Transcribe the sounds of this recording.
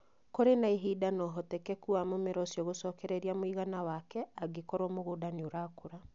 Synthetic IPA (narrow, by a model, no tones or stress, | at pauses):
koɾenaiɦiːdanɔɦɔtɛkɛkuamomeɾɔsjɔɣosɔːkɛɾɛɾiamoiɣanawakɛaɡekɔɾwɔmoɣodanioɾaːkoɾa